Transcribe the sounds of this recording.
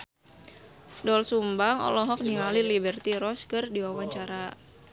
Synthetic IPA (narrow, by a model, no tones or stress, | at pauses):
dɔlsumbaŋɔ̰lɔɦɔk̚niŋalilibɛrt̪iɾɔskɨrdiwawaɲt͡ʃaɾa